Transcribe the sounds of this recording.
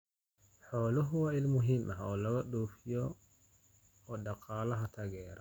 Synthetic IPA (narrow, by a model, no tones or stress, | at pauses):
ħɔːlɔɦuwailmuɦimʔahaɔlaɡaɗoːfijɔ | ɗaqʰaːlaɦatʰaɡɛːɾa